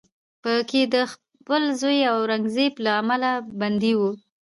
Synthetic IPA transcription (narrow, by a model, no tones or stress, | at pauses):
pəkʰed̪əx | pəlzojawɾaŋɡzeplaːmalaband̪iwu